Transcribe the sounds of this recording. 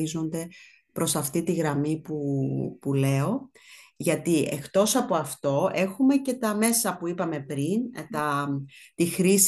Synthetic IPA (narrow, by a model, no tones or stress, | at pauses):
izo̞nd̪e̞ | pɾo̞sɐft̪it̪iɣɾɐmipupule̞o̞ʝɐt̪iʔekt̪o̞sɐpo̞ɐft̪o̞e̞xume̞ce̞t̪ɐme̞sɐpuipɐme̞pɾint̪ɐt̪ixɾis